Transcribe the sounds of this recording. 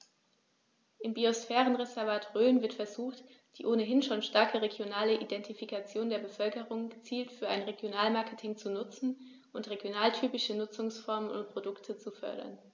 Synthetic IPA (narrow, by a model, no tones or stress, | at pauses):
ʔɪmbiosfɛːʁənʁezɛɐvaːtʁøːnvɪɐtfɛɐzuːxt | d̥iːʔoːnəɦɪnʃoːnʃtaɐkʰəʁeɡjonaːləʔidɛntifikat͡sjoːndeːɐbəfœlkəʁ̞ʊŋɡət͡siːltfyːɐa̰ɪnʁeɡjonaːlmaɐkətʰɪŋt͡sunʊt͡sn̩ | ʔʊntʁ̥eɡjonaːltʰyːpɪʃənʊt͡sʊŋsfɔɐmənʊ̰nt̚pʁ̥odʊktʰət͡sufœ̰ɐɾɐ̰n